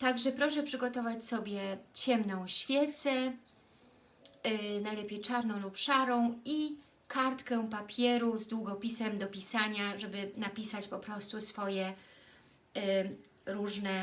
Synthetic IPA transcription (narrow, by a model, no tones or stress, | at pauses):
t̪aɡʐɛpɾɔʂɛpʂɘɡɔt̪ɔvat͡ɕsɔbʲjɛt͡ɕɛmnɔ̃w̃ɕfʲjɛt̪sɛ | najlɛpʲjɛjt͡ʂaɾnɔ̃w̃lupʂaɾɔ̃w̃i | kʰaɾt̪kɛ̃papʲjɛɾuzd̪wuɡɔpʲisɛmd̪ɔpʲisaɲaʐɛbɘnapʲisat͡ɕpɔpɾɔst̪usfɔjɛ | ɾuʐnɛ